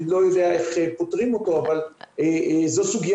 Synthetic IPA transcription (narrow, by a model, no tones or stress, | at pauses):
lo̞jod̪eaeχepotʁimo̞to̞avalezosuɡj